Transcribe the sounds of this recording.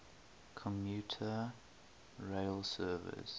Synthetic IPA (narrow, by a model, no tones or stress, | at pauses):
kʰɔ̃mjuːˑtʰə | ɹeɪlsɜːvɪ̰s